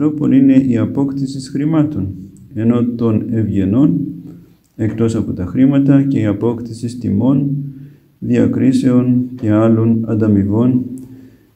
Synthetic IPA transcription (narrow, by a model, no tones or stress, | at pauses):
ɾo̞po̞̰nine̞ʔiɐpo̞kt̪isisxɾimɐt̪o̞n | e̞no̞t̪o̞ne̞vʝe̞no̞n | e̞kt̪o̞sɐpo̞t̪ɐxɾimɐt̪ɐce̞iɐpo̞kt̪isist̪imo̞n | ðiɐkɾise̞o̞nce̞ɐlo̞nɐ̰nd̪ɐmiɣo̞n